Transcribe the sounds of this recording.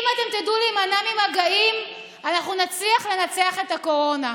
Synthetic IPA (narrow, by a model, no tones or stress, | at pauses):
mat̪e̞mt̪idulimanamimaɡaim | anaχnunat͡sliaχle̞nat͡seaχe̞t̪ako̞ʁo̞na